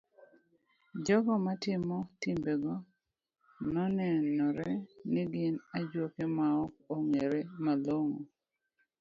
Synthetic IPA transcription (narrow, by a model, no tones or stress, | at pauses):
d͡ʒɔɡɔmatɪmɔtimbeɡɔ | nɔnɛnɔɾɛnɪɡɪnad͡ʒwokemaɔk̚oŋeɾemaloŋo